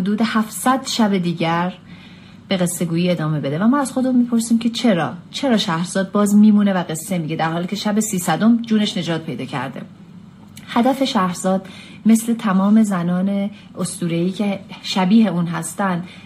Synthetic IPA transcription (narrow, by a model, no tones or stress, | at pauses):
hod̪uːd̪e̞hæfsæd̪̥ʃæbe̞d̪iːɟæɾ | b̥e̞ɣe̞sːe̞ɡuːjiːe̞d̪ɒːme̞be̞d̪evæmɒːæz̥xoeumiːpʰo̞ɾsiːmcʰe̞t͡ʃʰe̞ɾɒ̰ːt͡ʃʰe̞ɾɒːʃæhɾz̥ɒːd̪̚bɒːzmiːmuːne̞væɣe̞sːe̞miːɟe̞d̪æɾhɒːliːcʰe̞ʃæbesiːsæd̪omd͡ʒuːne̞ʃne̞d͡ʒɒːt̪̚pʰe̞jd̪ɒːcʰæ̰ɾd̪e̞̰ | hæd̪æfe̞ʃæhɾz̥ɒːd̪̥ | me̞sle̞t̪ʰæmɒːme̞zænɒːne̞ | ost̪uːɾeiːcʰeʃæbiːɦe̞uːnɦæst̪ænd̪